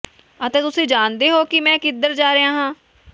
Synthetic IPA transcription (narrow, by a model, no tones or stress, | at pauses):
ət̪eːt̪ʊsĩːd͡ʒaːnd̪eːɦoːkɪmɛ̃ːkɪd̪əɾd͡ʒaːɾeãːɦãː